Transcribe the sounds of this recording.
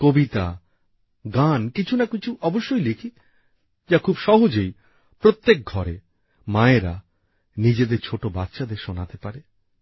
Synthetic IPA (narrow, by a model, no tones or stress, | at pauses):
kobit̪a | ɡankit͡ɕʰunakit͡ɕʰuʔɔboʃːojlikʰi | d͡ʑakʰubʃɔɦod͡ʑoj | pɾot̪ːek̚ɡʱɔɾe | maeɾa̰ | nid͡ʑed̪eɾt͡ɕʰoʈobat̪ːʃad̪eɾʃonat̪epaɾe